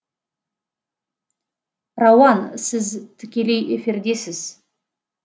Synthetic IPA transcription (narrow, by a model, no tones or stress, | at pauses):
rɑwɑnsɪzt̪ʰɪkʲe̞le̞jʔe̞fɪɾd̪e̞sɪz